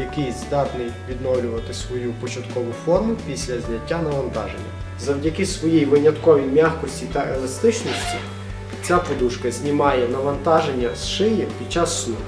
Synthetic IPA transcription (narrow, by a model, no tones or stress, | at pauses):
jɐkɪjzd̪ɑt̪nɪʋʲid̪nɔwlʲʊʋɐt̪ɪsʋɔjupɔt͡ʃɐt̪kɔʋʊfɔrmʊpʲisʲlʲɐzʲnʲɐtʲːanɐʋɐnt̪ɑʒenʲːɐ̰ | zɐwdʲɐkɪsʋɔjijʋɪnʲɐt̪kɔʋʲijmʲaxkɔsʲtʲit̪ɐelˠɐst̪ɪt͡ʃnɔsʲtʲi | t͡sʲapɔd̪uʃkɐzʲnʲimɑjɛnɐʋɐnt̪ɑʒenʲːɐsʃɪjipʲid̪̚ʲt͡ʃːasːnu